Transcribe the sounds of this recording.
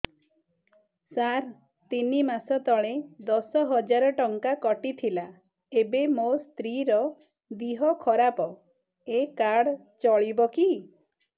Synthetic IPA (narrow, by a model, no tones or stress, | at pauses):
saɾ | t̪inimasɔt̪ɔɭed̪ɔsɔɦɔd͡ʒaɾɔʈɔŋkakɔʈit̪ʰila | ebemost̪ɾiɾɔ | d̪iɦɔkʰɔɾapɔ | ekaɽ | t͡ʃɔɭibɔki